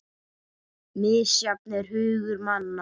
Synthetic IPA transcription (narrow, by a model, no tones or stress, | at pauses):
mɪːsjap̚nɛɾ̥hʏːɣʏɾmanːa